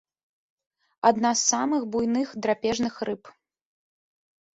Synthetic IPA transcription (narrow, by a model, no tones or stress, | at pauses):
ad̪nasːamɨxbujnɨxd̪ɾapʲɛʐnɨxrɨp